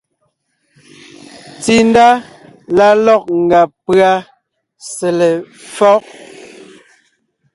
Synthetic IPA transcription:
ti˨nda˦ | la˦lɔ˦˨k̚ŋ˨ɡa˨pɰa˦ | sɛ˨lɛ˨ | fɔ˦k̚

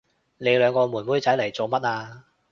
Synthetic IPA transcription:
ne˨˧jlœː˨˧ŋkɔː˧mu˨˩nwuː˨˥jt͡sɐ˨˥jlɐ˨˩jt͡so˨˧wmɐ˥t̚aː˧

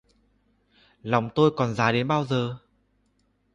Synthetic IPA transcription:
la˨˩wŋ͡mt̪o˧jkɔ˨˩nzaː˨˦ɗe˨˦nɓaː˧wzəː˨˩

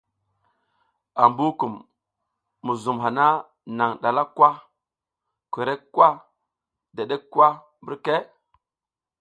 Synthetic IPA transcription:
a˨mbu˦ku˨mː | u˨zu˨mɦa˨na˦ | na˨ŋɗa˨la˦kwa˦ | kʷi˨ɾe˦kːwa˦ | de˨ɗe˦wa˦ | mbu˦ɾke˦

